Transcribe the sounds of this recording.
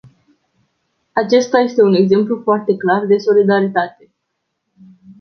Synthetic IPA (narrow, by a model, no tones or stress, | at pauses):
at͡ʃe̞st̪aje̞st̪e̞une̞ɡze̞mplufoart̪e̞klard̪e̞so̞lid̪aɾit̪at̪e̞